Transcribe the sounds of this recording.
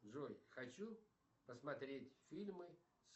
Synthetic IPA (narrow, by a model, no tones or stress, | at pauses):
ʐojxɐt͡ɕu | pəsmɐt̪ɾʲetʲfʲilʲmɨ | s